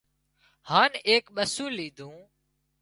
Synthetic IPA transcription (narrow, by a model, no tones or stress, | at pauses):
haːneːkɓəsũːliːd̪ʱũː